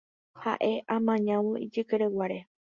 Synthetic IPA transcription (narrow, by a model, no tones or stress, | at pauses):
ha̰ʔe̞ʔãmãɲãwõʔid͡ʒɨkeɾewaɾe